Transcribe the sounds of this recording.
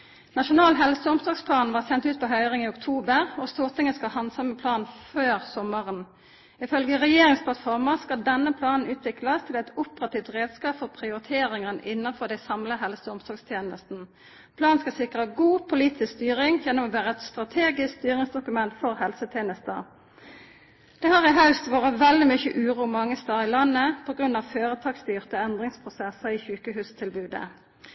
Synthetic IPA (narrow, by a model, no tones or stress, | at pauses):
nɑʃʊnɑːlɦɛlsəʊmsɔɡspʰlɑːnʋɑːʁsɛnt̪ʉːt̪̚pʰɔːɦœʏʁɪŋiːʊkt̪ʰuːbəʁɔst̪uːʁt̪ʰɪŋːəskɑhɑnsɑməpʰlɑːnføːʁsɔməʁən | ɪfœlɡəʁɛjeːʁɪŋspʰlɑt̪fɔʁməskɑld̪ɛnːəpʰlɑːnn̩ʉːt̪ʋɪkləst̪ʰɪlɛt̪ʊpəʁɑt̪iːʋt̪ʁeːd̪skɑːpfɔʁpʰʁɪʊʁɪt̪ʰeːʁɪŋənə̰ʔɪnːəfɔʁd̪æɪsɑmləɦɛlsəʊmsɔɡst̪ʰjeːnəst̪n̩ | pʰlɑːnskɑsɪkʁəɡuːpʰʊliːt̪ʰɪskst̪yːʁɪŋjɛnːɔmɔːʋæːʁəɛt̪st̪ʁɑt̪ʰeːɡɪskst̪yːʁɪŋsd̪ʊkʉmɛnt̪fɔʁhɛlsət̪ʰjeːnəst̪ə̰ʁ | d̪̥ɛːhɑʁɪɦɑʉst̪ʋoːʁəʋɛld̪ɪmʏçə̰ʔʉːʁuːmɑŋːəst̪ɑːʁɪlɑnːəpʰɔɡʁʉnːɑʋføːʁət̪ʰɑːɡst̪yːʁt̪əɛnd̪ʁɪŋspʰʁʊsɛsəiːçʉːkəɦʉːst̪ʰɪlbʉːd̪ə̰